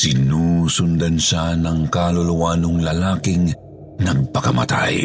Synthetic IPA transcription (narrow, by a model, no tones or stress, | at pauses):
sɪnusʊnd̪anʃanɐŋkaluluwaːnoŋlɐlaːkɪŋ | nɐɡ̚pɐkɐma̰t̪a̰j